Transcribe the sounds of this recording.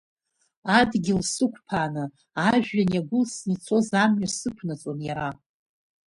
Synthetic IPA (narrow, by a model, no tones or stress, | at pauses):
adɡʲɪlsɨkʷʰʼpʰaːnɨ | aʒᶣaniaɡʷʊlsnit͡sʰo̞zamɥasɨkʷʰnat͡sʼonjaɾa